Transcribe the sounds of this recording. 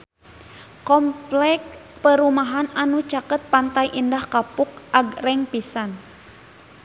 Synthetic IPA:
kɔmplɛk̚pəɾumaɦananut͡ʃakət̪̚pant̪ajʔindahkapuk̚ʔaɡrɛŋpisan

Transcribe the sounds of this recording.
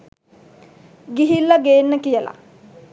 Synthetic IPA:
ɡiɦilːaɡeːnːəkijəla̰

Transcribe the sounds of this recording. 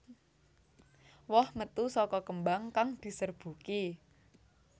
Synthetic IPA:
wɔhmət̪usɔkɔkəmbaŋkaŋd̪̥i̤sərb̥ṳki

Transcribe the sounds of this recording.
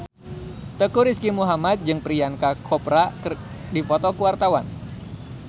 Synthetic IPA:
t̪əkuɾiskimuɦamat̪̚d͡ʒɨŋpɾiankakʰɔpɾak | dipɔt̪ɔkuwart̪awan

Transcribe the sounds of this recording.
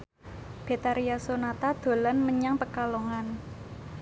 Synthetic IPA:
b̥e̤t̪aɾiasonat̪ad̪̥o̤lanməɲaŋpəkaloŋan

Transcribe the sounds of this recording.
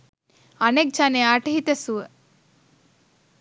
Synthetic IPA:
ɐnek̚t͡ʃaneaʈɐɦit̪esuə

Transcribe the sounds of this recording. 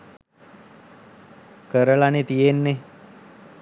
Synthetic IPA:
kəɾəɭanet̪ijenːe

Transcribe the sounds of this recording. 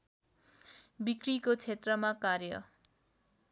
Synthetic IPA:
bikrikot͡sʰet̪rʌmakarjʌ̰

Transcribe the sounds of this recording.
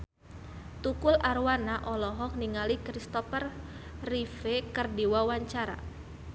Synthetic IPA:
t̪ukʊlʔarwanaʔɔlɔɦɔk̚niŋalikɾist̪ɔfərrifekərdiwawaɲt͡ʃaɾa̰

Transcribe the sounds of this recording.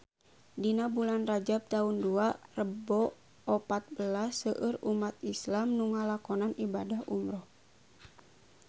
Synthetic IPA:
dinabulanrad͡ʒab̚t̪aunduarəbɔ | ɔpat̪̚bəlasəʔərumat̪̚islamnuŋalakɔnanibadahṵmɾɔh

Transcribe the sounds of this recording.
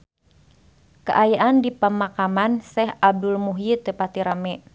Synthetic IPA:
kə̰ʔajaʔandipəmakamansɛɦab̚dulmuɦit̪epat̪iɾamɛ

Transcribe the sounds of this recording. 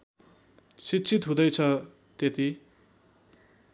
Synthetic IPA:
sitːt͡sʰit̪ɦũd̪ʌjt͡sʰʌ | t̪et̪i

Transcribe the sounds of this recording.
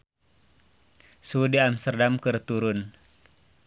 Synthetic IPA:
sudiamst̪ərdamkɨrt̪uɾʊn

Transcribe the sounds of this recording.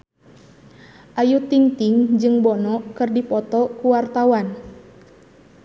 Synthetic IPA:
ʔajut̪iŋt̪iŋd͡ʒɨŋbɔnɔkɨrdipɔt̪ɔkuwart̪awan

